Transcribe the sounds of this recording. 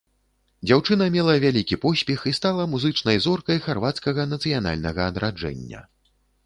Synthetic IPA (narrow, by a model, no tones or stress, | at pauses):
d͡zʲawt͡ʂɨnɐmʲɛlˠɐvʲalʲikʲipɔsʲpʲɛxist̪alˠɐmuzɨt͡ʂnɐjzɔrkɐjxarvat̪skɐɣɐnɐt̪sɨjana̰lʲnɐɣɐːd̪ɾad͡ʐɛ̰nʲːɐ̰